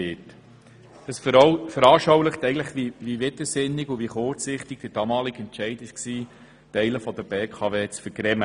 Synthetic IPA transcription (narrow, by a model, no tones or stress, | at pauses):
ɪt | əsffəɾɑːʃɔwləχtɛɪɡn̩tləχʋiʋiʋɪd̪əsɪnːɪɡuviχʊɾt͡sɪχtɪɡ̥̚d̥əɾd̥ɑːmɑːlɪɡɛntʃɛɪdɪʃksiː | tɛɪləfɔdəɾbeːkʰɑːveːt͡sfəɾɡɾɛmə